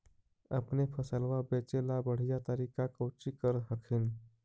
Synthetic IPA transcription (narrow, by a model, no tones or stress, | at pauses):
əpnepʰəsəlʋabet͡ʃelabəɽ̤ijat̪əɾikakəwt͡ʃikəɾɦəkʰin